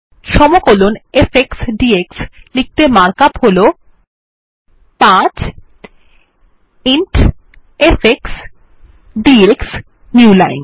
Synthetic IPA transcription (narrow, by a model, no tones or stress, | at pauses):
ʃɔmokolonefeksɖiekslik̚t̪emaɾkapholo | pãt͡ɕ | iɳʈ | efʰeks | ɖieks | nuulajn